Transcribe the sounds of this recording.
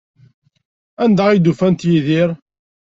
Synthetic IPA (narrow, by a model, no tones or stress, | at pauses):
ænd̪æid̪ufænt̪jiðiɾ